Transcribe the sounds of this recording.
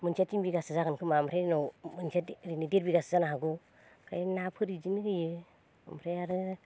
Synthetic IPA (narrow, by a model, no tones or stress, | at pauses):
mɯnsatimbiɡasɯzaɡɯnkʰɯmamɾeɾnomɯnsatɾinideɾbiɡasɯzanaɦaɡu | kʰajnapʰɯɾid͡ʒinɡɯjɯ | amɾeaɾɯ